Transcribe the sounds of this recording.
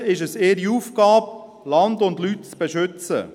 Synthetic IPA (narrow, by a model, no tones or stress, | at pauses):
ɪʃəseːəɾiuːfɡ̥ɑːb̚ | lɑndʊndlyt̚t͡sb̥eʃʏt͡sə̰